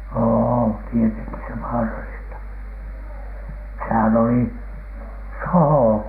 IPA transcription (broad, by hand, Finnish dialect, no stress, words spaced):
oː tieteŋki se ʋɑːrɑlistɑ sehæn oli sohoˑ